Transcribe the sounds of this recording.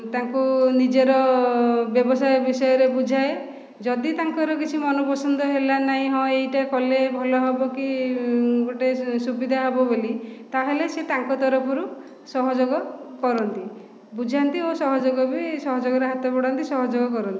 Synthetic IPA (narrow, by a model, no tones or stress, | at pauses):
t̪aŋkunid͡ʒeɾɔbjɔbɔsajɔbisɔjɔɾebud͡ʒʱae | d͡ʒɔd̪it̪aŋkɔɾɔk̬it͡ʃʰimɔnɔpɔsɔnd̪ɔɦelanaĩɦɔ̃ejʈakɔlebʱɔlɔɦebɔki | ɡoʈesubid̪ʱaɦɔbɔbolit̪aɦeleset̪aŋkɔt̪ɔɾɔpʰɔɾu | sɔɦɔd͡ʒoɡɔkɔɾɔnt̪i | bud͡ʒʱant̪iosɔɦɔd͡ʒoɡɔbisɔɦɔd͡ʒoɡɔɾeɦat̪ɔpɔɽant̪isɔɦɔd͡ʒoɡɔkɔɾɔnt̪ii